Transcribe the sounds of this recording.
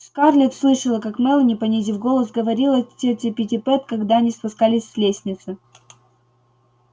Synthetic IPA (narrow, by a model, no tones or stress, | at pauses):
ʂkarlʲɪt̪slˠɨʂəlˠəkakmɛlˠənʲɪpɐnʲezʲɪvɡo̞lˠəs̬ɡəvɐɾʲilˠətʲetʲɪpʲɪtʲɪpɛt̪kɐɡd̪aɐnʲispʊskalʲɪsʲːlʲesʲnʲɪt̪sɨ